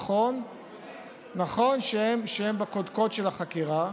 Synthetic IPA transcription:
on | aχo̞nʃeemʃehembakod̪ko̞tʃelaχakiʁa

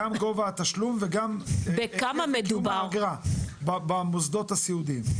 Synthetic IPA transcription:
amɡovaat̪aʃlumveɡambekamamed̪umbaaɡʁababamozd̪o̞t̪hasiud̪im

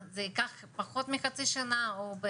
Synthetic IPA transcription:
zekaχ | paχot̪mixat͡siʃanaobe

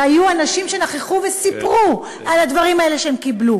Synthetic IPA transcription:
ajuanaʃimʃe̞naχeχuve̞sipʁu | alad̪vaʁimae̞le̞ʃeemkiblu

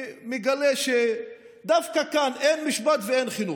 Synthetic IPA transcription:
meɡaleʃe | d̪afkakanʔenmiʃbat̪vee̞nχinu

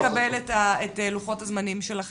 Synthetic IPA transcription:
kabeletaeteluχo̞thazmanimʃelaχ

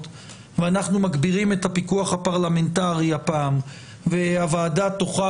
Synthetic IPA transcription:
t | veanaχnumaɡbiʁime̞t̪hapikuaχhapaʁlame̞ntaʁiapaːm | veavaːdat̪o̞χa

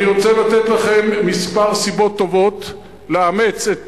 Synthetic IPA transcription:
niʁot͡selat̪et̪laχe̞mːispaʁsibo̞t̪ːo̞vo̞t̪ | leame̞t͡set

